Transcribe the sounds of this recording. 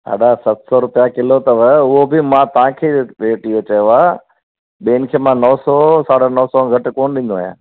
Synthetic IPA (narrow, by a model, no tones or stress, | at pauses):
a̰ːɗasɐt̪ʰsɔɾʊpjakɪlot̪ɐʋəʊɦobɪmãt̪ɐʋ̤ãkʰeːʋeːʈijot͡ɕɐjoaː | ɓeːnɪkʰeːmãːnɔːsɔsaːɽənɔːsɔɡʱɐʈkoːnɗĩnd̪oajã̰ː